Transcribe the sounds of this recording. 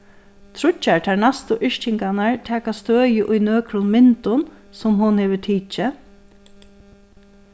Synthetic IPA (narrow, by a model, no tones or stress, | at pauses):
t̪ʰɾʊt͡ʃːaɹt̪ʰɛɹnast̪ʊʔɪʃt͡ʃɪŋkanaɹt̪ʰɛːkast̪øːjəʔʊjnøːkɾʊnmɪnt̪ʊn | sɔmɦʊnhɛːʋət̪ʰiːt͡ʃɪ